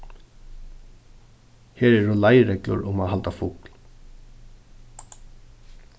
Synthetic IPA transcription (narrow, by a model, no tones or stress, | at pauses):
hɛːɾɛɾʊlajɾɛklʊ̰ɾʊmaðɦalt̪afuːkl̥